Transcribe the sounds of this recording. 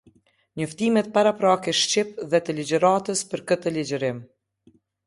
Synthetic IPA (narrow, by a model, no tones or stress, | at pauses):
ɲəft̪imɛt̪̚paɾapɾakɛʃt͡ɕipðɛt̪əlid͡ʒəɾat̪əspəɾkət̪əlid͡ʒəɾɪm